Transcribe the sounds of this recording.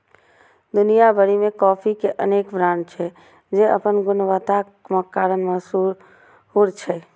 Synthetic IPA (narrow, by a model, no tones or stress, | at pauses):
d̪ʊnijabəɽimẽkɔːpʰikeʔəneːkbɾaːnt͡ʃʰɛ | d͡ʒeə̰pənɡʊnʋət̪a | məkːaːɾənmasu | huɾt͡ʃʰɛ